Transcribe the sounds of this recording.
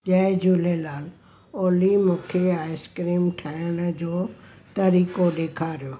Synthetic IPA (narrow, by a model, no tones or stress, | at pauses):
ʄaːɪd͡ʒulelaːl | oːlimʊ̃ːkʰeaːɪskɾiːmʈʰaːəɽ̃d͡ʑoːt̪ɐɾiːkoɗeːkʰaːɾijoː